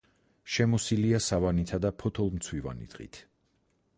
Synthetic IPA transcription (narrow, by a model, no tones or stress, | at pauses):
ʃɛmɔsiliasavanit̪ʰad̪apʰɔt̪ʰɔlˠmt̪sʰwiva̰nḭd̪̥ʁḭt̪ʰ